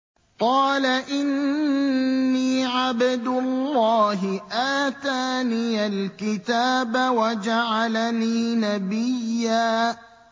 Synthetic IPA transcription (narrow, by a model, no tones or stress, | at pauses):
qɑːlaʔɪnː | iːʕabɪd̪ʊlːɑːɦɪʔaːt̪aːniːalkɪt̪aːbawad͡ʒaʕalaniːnabɪjːaː